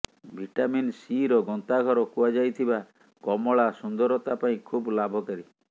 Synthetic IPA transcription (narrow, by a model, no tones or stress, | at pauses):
bʱiʈaminsiɾɔɡɔnt̪aɡʱɔɾɔkuad͡ʒajt̪ʰiba | kɔmɔɭasund̪ɔɾɔt̪apaĩkʰublabʱɔkaɾi